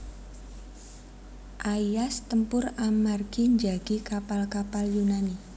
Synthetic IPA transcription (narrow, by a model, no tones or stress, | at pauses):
ʔaijast̪əmpʊramarɡiɲd͡ʒaɡ̥ikapalkapaljunani